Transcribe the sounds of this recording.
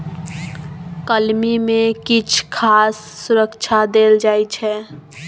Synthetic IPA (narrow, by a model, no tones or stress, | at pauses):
kəlmimekit͡ʃʰkʰasːuɾəkt͡ʃʰad̪eld͡ʒajt͡ʃʰɛ